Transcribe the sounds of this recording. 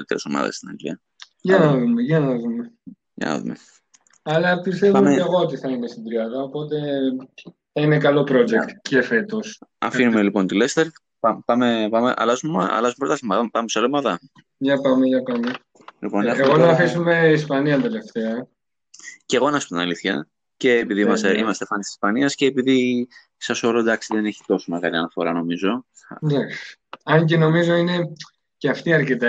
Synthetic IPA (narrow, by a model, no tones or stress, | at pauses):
it̪eɾeso̞̰mɐ̰ðɐ̰st̪inɐ̰ɡlḭɐ | jɐnɐðumeʝɐnɐðume̞ | jɐ̰nɐ̰ðṵmḛ | ɐlɐpist̪evumeɣo̞ot̪iθɐinest̪id̪ɾiɐðɐopo̞t̪e̞ | θɐine̞kɐlo̞pɾo̞d͡ʒekt̪ce̞fe̞t̪o̞sɐ̰finumelipo̞nt̪ilest̪eɾ | pɐpɐmepɐmeʔɐ̰lɐzumemɐ̰lɐzumepɾot̪ɐθimɐðpɐmesolomɐðɐ | ʝɐpɐmeʝɐpɐme | lḭponeɣonɐfisume̞ispɐniɐd̪ele̞ft̪eɐ | ceɣo̞nɐsot̪inɐliθçɐ̰ | ce̞ːpiðiimɐst̪eʔḭmɐst̪efɐnisisi̥spɐniɐsce̞ːpiði | sɐso̞ɾod̪ɐksiðe̞ne̞çi̥t̪o̞someɣɐliɐnɐfo̞ɾɐno̞mizo̞ | d̪ɐksɐɲc̬eno̞mizo̞ine̞ | ceɐft̪iɐɾcet̪ɐ